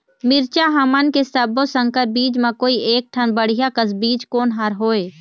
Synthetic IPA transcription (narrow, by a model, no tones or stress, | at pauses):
mɪɾt͡ʃaɦɐmənkesəbosə̃ŋkəɾbiːd͡ʒmãkoːiʔeːk̚ʈʰənbəɽ̤ijakəsbiːd͡ʒkoːnɦaɾɦoːeː